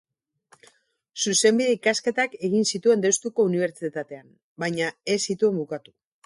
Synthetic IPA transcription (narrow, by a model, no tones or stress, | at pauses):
suse̞mbiðe̞ikaske̞t̪ake̞ɣinsit̪ue̞nd̪e̞wst̪uko̞uniβ̞e̞ɾt͡sit̪at̪e̞an | bajɲae̞sit̪ue̞mbukat̪u̥